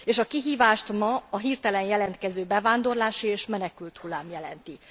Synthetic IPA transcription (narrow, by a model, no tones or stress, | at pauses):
eːʃɒkiɦiːvaːʃt̪mɒɒɦirt̪ɛlɛnjɛlɛnt̪kɛzøːbɛvaːnd̪o̞rlaːʃieːʃmɛnɛkylt̪hulːaːmjɛlɛ̰nt̪i